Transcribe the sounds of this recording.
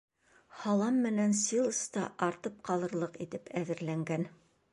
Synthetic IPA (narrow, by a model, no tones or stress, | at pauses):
hɑlˠɑmːɘ̆nænsilˠɤ̆st̪ɑʔɑɾt̪ɤp̚qɑlˠɤ̆ɾlˠɤqit̪ɘpʰæðɘ̆ɾlæŋɡæn